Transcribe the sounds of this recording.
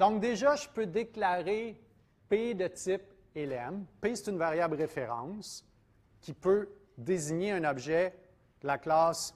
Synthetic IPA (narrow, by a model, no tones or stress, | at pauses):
d̪ɔ̃k̚d̪eʒaʒəpød̪eklaʁe | ped̪ət̪ɪp̚ | elɛmpese̥t̪ynvaʁjablʁefeʁɑ̃s | kʲipø | d̪eziɲeɛ̃nɔbʒɛ̥ | əlaklɑːs